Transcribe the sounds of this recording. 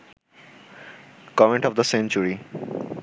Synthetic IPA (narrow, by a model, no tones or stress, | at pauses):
kɔmẽɳʈɔfd̪əsẽnt͡ɕuɾi